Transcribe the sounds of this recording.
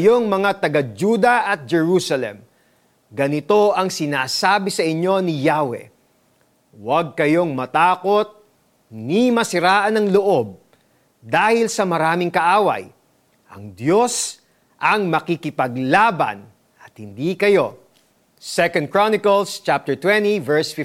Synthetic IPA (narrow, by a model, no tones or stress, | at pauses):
ɐjo̞ŋmɐŋat̪ɐɡɐd͡ʒuːd̪ɐʔɐt̪̚d͡ʒɛɹusɐlɛ̰m | ɡɐnɪt̪o̞ʔɐŋsɪnaːsaːbɪsɐʔɪɲːo̞nɪjaːwɛ̰ | wɐɡ̚kɐjo̞ŋmɐt̪aːko̞t̪̚ | nimɐsɪɾaːʔɐnɐŋloʔo̞b̚ | d̪aːhɪlsɐmɐɾaːmɪŋkɐʔaːwɐ̰j | ʔɐ̰ŋd̪jo̞s | ʔɐŋmɐkikɪpɐɡlaːbɐ̰n | ʔɐt̪̚hɪnd̪ikɐjo̞ | sɛkɐ̃nd̪̚kɹonɪkɐlst͡ʃap̚t̪ɛɹt̪wɛnt̪ivɛɹsfɪ